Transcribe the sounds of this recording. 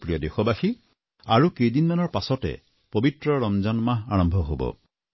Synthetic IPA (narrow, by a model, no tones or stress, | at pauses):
pɹijɔdexɔbaxi | aɹukejdinmanɔɹpasɔtɛ̰ | pobitɹɔɹɔmzɔnmaɦaɹɔmbʱɔɦobɔ̰